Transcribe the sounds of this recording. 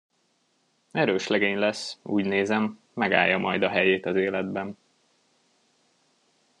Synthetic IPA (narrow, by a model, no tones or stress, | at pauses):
ɛɾøːʃlɛɡeːɲlɛsːṵːɟneːzɛmː | ɛɡa̰ːjːɒmɒjd̪ɒɦɛjeːt̪ɒzeːlɛd̪bɛn